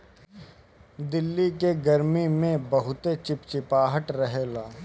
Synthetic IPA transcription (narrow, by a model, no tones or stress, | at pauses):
d̪ɪlːikeɡəɾmimẽbɐɦʊt̪et͡ʃɪpt͡ʃɪpaːɦəʈɾəɦeːlaː